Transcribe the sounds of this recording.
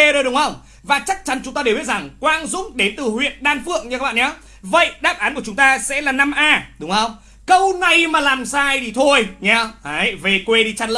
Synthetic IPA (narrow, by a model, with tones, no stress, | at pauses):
ɗo˧jɗʊ˨˦ŋ͡mhə˧wŋ͡m | vaː˨˩t͡ɕa˦˥k̚t͡ɕa˨˦nt͡ɕʊ˨˦ŋ͡mt̪aː˧e˨˩wi˦˥t̚za˨˩ŋkwaː˧nzʊ̰˧˥ŋ͡mɗe˨˦nt̪ɨ˨˩hwḭ˧˨ənɗaː˧nfɨ̰˧˨əŋɲɨ˧a˦˥kɓa̰ː˧˨˩ɲa˨˦ | və̰˧˨jɗaː˦˥p̚ʔaː˨˦nku˧˩ət͡ɕʊ˨˦ŋ͡mt̪aː˧sɛ̰˧˥laː˨˩na˧mʔaː˧ɗʊ˨˦ŋ͡mhə˧wŋ͡m | kə˧wna˨˩jmaː˨˩laː˨˩msaː˧jt̪ʰi˨˩t̪ʰo˧jɲaː˧a˨˦ve˨˩kwe˧ɗi˧˩t͡ɕa˧nlə̰˧˨